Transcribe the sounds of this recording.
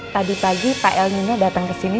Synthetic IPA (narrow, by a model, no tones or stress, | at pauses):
padipaɡipaʔɛlɲaɲadat̪əŋkəsini